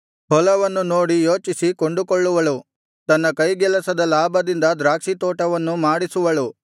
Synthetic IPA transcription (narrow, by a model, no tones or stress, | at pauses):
hɔlɐʋɐnːunoːɽijoːt͡ʃisikoɳɖukoɭːuʋɐlu | t̪ɐnːɐkɐjɡɛlɐsɐd̪ɐlaːbʱɐd̪ind̪ɐd̪ɾaːkʂit̪ɔːʈɐʋɐnːumaːɽisuʋɐlu